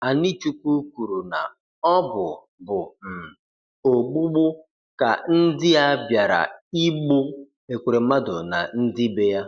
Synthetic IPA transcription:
a˨ni˦t͡ʃu˦kʷu˦kʷu˨ɾu˨na˨ | ɔ˦bʊ˨ | bʊ˨m̩˨ | o˨ɡ͡bu˦ɡ͡bʊ˦ | ka̰˨n̩˦dɪ˦ja˦bja˨ɾa̰˨i˦ɡ͡bo˦ | e˨kʷe˨ɾe˨m̩˦ma˦dʊ˨na̰˨n̩˦dɪ˦be˦ja˦

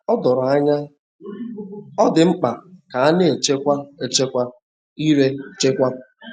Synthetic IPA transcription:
ɔ˦dɔ˨ɾa˦ɲa˦ | ɔ˦dɪ˨ŋ͡m̩˦k͡pa˨ka˨a˦nɪ˦e˨t͡ʃe˦kʷa˦e˨t͡ʃe˦kʷa˦ | i˦ɾe˦˨t͡ʃe˦kʷa˦

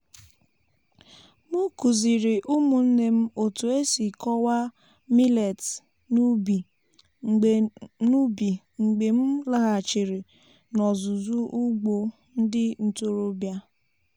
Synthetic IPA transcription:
mu˦ku˨zi˨ɾɪ˨ʔu˦mu˨n̩˦ne˦m̩˦o˨to˨e˦si˨kɔ˦wa˦ | mi˦le˨t | n˦i˨ | nu˦bi˨ | ŋ͡m̩˨ɡ͡be˨m̩˦la˦ɣa˨t͡ʃɪ˨ɾi˨ | nɔ˨zʊ˨zu˦ʔu˦ɡ͡bo˦ | n̩˦dɪ˦n̩˨to˦ɾo˦bja˦

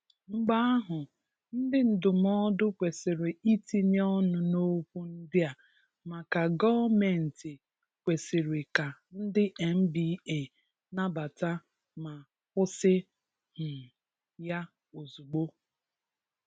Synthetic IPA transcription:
ŋ͡m̩˦ɡ͡ba˦a˦ɦʊ˨ | n̩˦dɪ˦n̩˨dʊ˨m˦ɔ˦dʊ˦kʷe˨sɪ˨ɾɪ˨i˦ti˦ni˦ɔ˦nʊ˨no˦k̚ʷu˦n̩˦dɪ˦a˨ | ma˨ka˨ɡɔ˦me˨n̩˨tɪ˨ | kʷe˨si˨ɾɪ˨ka˨n̩˦dɪ˦ʔe˨m̩˦bi˦e˨ | na˦ba˨ta˦ | ma˨ | kʊ˦sɪ˦ | hʊ˨ | ja˦ | o˨zu˨ɡ͡bo˦

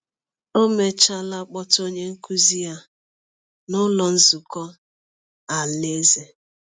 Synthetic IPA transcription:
o˦me˨t͡ʃa˦la˦k͡pɔ˦to˦ɲe˦ŋ̩˦ku˦zi˦ja˦ | nʊ˦lɔ˨n̩˦zu˨kɔ˦ | a˨le˦ze˨

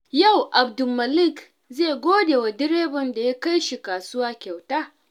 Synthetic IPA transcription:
ja˦˨wʔa˨bdʊ˨mɐ˨lɪ˦˨k | zeː˦˨ɡʷoː˦deː˨wa˨dɪ˦ɾeː˦bɔ˨nda˨ja˦ka˦jʃi˨kaː˨sʊ˦waː˦kʲa˨wtaː˦

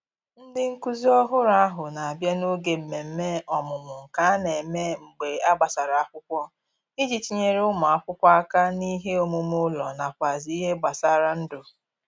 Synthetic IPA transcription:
n̩˦dɪ˦ŋ̩˦ku˦zi˦ɔ˦ɦʊ˦ɾa˦a˦ɦʊ˨na˨a˨bja˦no˦ɡe˨m̩˨me˨m̩˦me˦ɔ˨mʊ˨mʊ˨ŋ̩˨ka˨a˦ne˨me˦ŋ͡m̩˨ɡ͡be˨a˦ɡ͡ba˨sa˨ɾa˨a˦kʷʊ˦kʷɔ˦ | i˦d͡ʒi˨ti˨ɲe˦ɾʊ˦ma˨a˦kʷʊ˦kʷa˦a˦ka˦ni˦ɦe˦o˦mʊ˦mʊ˦lɔ˨na˨kʷa˨zi˨˦i˦ɦe˦ɡ͡ba˨sa˦ɾa˦n̩˦dʊ˨

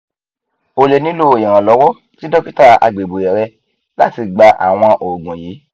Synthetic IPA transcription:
o˨le˨nĩ˦lo˦o˨jɛ̃˨ɾã˨lɔ˨˦wɔ˦ | ti˦dɔ˦pi˦ta˦˨a̰˧ɡ͡be˨ɡ͡bo˨jɛ˨ɾɛ˧ | la˦˨ti˧ɡ͡ba˧ʔa̰˨w̃ɔ̃˧ʔo˨ɡũ˨jiː˨˦

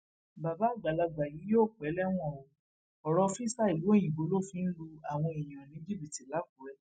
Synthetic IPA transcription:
ba˨ba˨˦˨ɡ͡ba˨la˧ɡ͡ba˨ji˨˦joː˦˨k͡pɛ˨˦lɛ˦w̃ɔ̃˦˨o˨˧ | ɔ˨ɾɔ˧fi˦sa˦i˨wo˨˦˨jĩ˨ɡ͡bo˨˦lo˦˨fi˨˦n̩˦lu˧a˨w̃ɔ̃˧i˨j̃ã˨nĩ˨˦d͡ʒi˦bi˨ti˨la˨˦ku˨˦ɾɛ˦

